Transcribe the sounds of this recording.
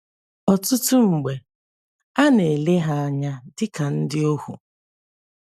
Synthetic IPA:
ɔ˨tʊ˦tʊ˦ŋ͡m̩˨ɡ͡be˨ | a˦ne˨le˦ɦa˦a˦ɲa˦dɪ˦ka˨n̩˦dɪ˦o˦hṵ˨

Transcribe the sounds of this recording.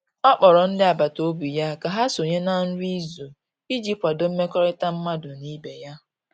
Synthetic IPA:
ɔ˦k͡pɔ˨ɾɔ˨n̩˦dɪ˦a˨ba˨to˦bu˨ja˦ka˨ɦa˦so˨ɲe˦na˦n̩˦ɾi˦zo˨ | i˦d͡ʒi˦pʷa˨dʊ˦m̩˦me˦kɔ˦ɾe˦ta˦m̩˦ma˦dʊ˨ni˦be˨ja˦

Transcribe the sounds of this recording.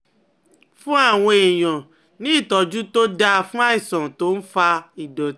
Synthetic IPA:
fũ˦a˦˨w̃ɔ̃˧e˨j̃ɔ̃˨ | nĩ˦i˦˨tɔ˨d͡ʒu˦to˦da˧fũ˦a˦i˦˨sɔ̃˨to˨˦n̩˦fa˧i˨dɔ˨˦

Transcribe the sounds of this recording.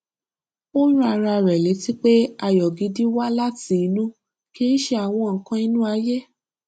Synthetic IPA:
o˦ɾũ˦a˧ɾa˧˨ɾɛ˨le˨˦ti˦k͡pe˦a˧˨jɔ˨ɡi˨˦di˦wa˦la˦ti˨˦˨nũ˦ | ke˦i˦ʃe˧˦a˨w̃ɔ̃˧ŋ̩˨kã˧i˧nũ˦a˧je˦

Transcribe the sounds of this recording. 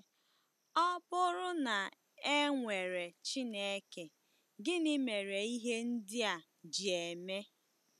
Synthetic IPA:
ɔ˦bʊ˦ɾʊ˦na˨ | e˦ŋʷe˨ɾe˨t͡ʃi˦ne˦ke˨ | ɡɪ˦nɪ˦me˨ɾe˨i˦ɦe˦n̩˦dɪ˦a˨ | d͡ʒi˨e˨me˦

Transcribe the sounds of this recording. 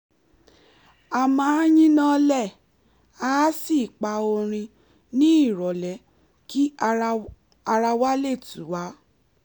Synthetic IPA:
a˨mãː˨˦jĩ˦nã˦lɛ˦˨ | a˦˨˦si˦˨k͡pa˧o˧ɾ̃ĩ˧ | nĩ˦i˦˨ɾɔ˨lɛ˨˦ | ki˦ | a˧ɾa˧wa˦le˦˨tu˨˦wa˨˦

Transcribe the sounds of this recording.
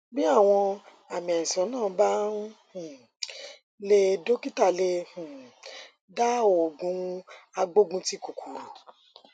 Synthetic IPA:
bi˦a˦˨w̃ɔ̃˧ | a˨mɛ̃˨sɔ̃˨˦nãː˦˨˦ba˦n˦hũ˨ | le˦˧do˦ki˦ta˦˨le˧hũ˨ | da˦o˨ɡũ˧a˧ɡ͡bo˦ɡũ˧ti˦ko˨kʰu˨ɾo˨

